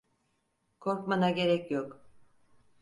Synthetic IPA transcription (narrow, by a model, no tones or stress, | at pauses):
kʰo̞ɾkmanaɟe̞ɾɛcjok